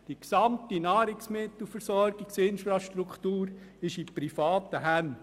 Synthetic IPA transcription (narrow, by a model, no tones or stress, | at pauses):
d̥iksɑmt̪inɑːɾɪksmɪt̪l̩fəɾsɔɾɡ̥iksɪnfɾɑʃtɾukχt̪uːɾɪʃipɾifɑːt̪əɦæn